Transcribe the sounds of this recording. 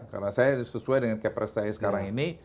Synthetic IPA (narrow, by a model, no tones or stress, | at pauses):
ka̰rnasajasəsuajdəŋankɛpɾɛstajasə̥kaɾaŋini